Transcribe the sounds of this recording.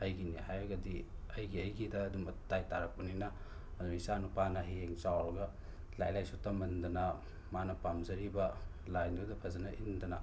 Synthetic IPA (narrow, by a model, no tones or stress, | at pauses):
ɐjɡinihajɐɡɐdiɐjɡiɐjɡidɐːdumɐtajtaɾɐk̚pɐninɐ | ɐduisanupanɐɦieŋt͡ʃawɾɐɡɐ | la̰jlajsutɐmɐndɐnɐ | manɐpamzɐɾibɐlajndudɐpʰɐzɐnɐʔindɐnɐ